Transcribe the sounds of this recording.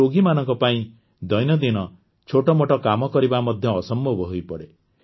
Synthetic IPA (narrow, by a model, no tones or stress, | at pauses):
oɡimanɔŋkɔpaĩ | d̪ɔjnɔd̪inɔ | t͡ʃʰoʈɔmoʈɔkamɔkɔɾibamɔd̪ʱjɔːsɔmbʱɔbɔɦojpɔɽe